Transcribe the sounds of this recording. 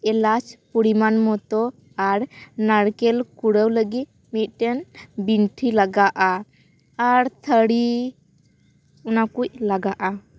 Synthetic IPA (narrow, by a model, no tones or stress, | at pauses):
ɛlat͡ʃpuɽimanmɔt̪ɔ | aɾnaɽkɛlkuɽəwləɡit̪̚ | mit̪̚ˀʈɛnbinʈʰilaɡaʔa | aɾt̪ʰəɽi | ɔnakuc̚laɡaʔa